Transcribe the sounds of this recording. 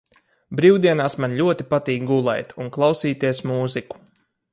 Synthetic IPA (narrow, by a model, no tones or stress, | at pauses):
bɾiːwd̪iɛnaːsmanlʲuɔt̪ipat̪iːk̚ɡulˠɛ̰jt̪unklˠawsiːt̪iɛsmuːziku̥